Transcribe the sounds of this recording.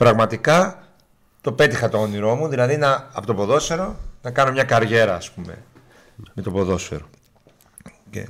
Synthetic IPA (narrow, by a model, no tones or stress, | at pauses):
pɾɐɣmɐt̪ikɐ | t̪ope̞t̪ixɐt̪o̞oniɾo̞muðilɐðinɐːpot̪opo̞ðo̞sfe̞ɾo̞nɐkɐno̞mɲɐkɐɾʝe̞ɾɐːspumḛ | me̞t̪o̞po̞ðo̞sfe̞̰ɾo | cḛ